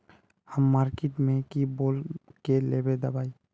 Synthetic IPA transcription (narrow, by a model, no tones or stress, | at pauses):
həmːaːɾkeʈmẽkiboːlkeleːbed̪əbaːi